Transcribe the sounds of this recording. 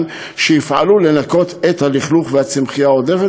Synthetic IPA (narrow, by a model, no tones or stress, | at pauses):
n | ʃeifʕa̰lule̞nako̞t̪et̪haliχluχveat͡simχijaodeʁe